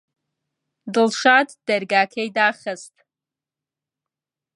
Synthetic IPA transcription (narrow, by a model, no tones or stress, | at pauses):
dɨlʂatʰʼd̥arɡaːkʰejdaχəstʼ